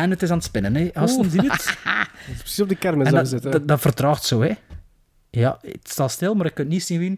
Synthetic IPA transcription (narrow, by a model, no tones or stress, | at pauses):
ɛnətɪsaːnətspɪnəneɑstnziət | pɾə̥sizɔb̚dəkɛrməndzɪtdɑtfərtrɑːxtsoːɛ | jɑ̰tstɑːlˠstɪlˠmaːɾɪkːɵntnisinʋin